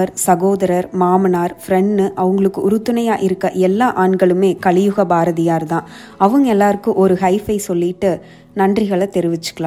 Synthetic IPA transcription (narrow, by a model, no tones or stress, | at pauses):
ɐɾsɐɣoːðɐɾɐɾmaːmɐnaːɾfɾɛɳɖɯʔɐʋɯŋɡɐɭɯkːɯʔʊɾɯt̪ːɯnɐjaːʔɪɾɯkːɐʔɛlːaːʔaːɳɡɐɭɯmeːkɐɭɪjʊɣɐbaːɾɐðɪjaːɾt̪ãː | ɐʋɯŋɡɛlːaːɾɯkːɯ̃ʔɔɾɯhɐɪfɐɪsɔlːɪʈːɯ | nɐndrɪɣɐɭɐt̪ːɛɾɪʋɪt͡ʃːɯ̥kːɐɭã